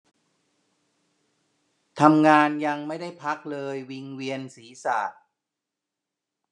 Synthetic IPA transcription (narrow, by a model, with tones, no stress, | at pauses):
t̪ʰa˧mŋaː˧nja˧ŋma˥˩jda˥˩jpʰa˦˥k̚lɤː˧jwi˧ŋwi˧ənsiː˩˦sa̰ː˨˩t̪̚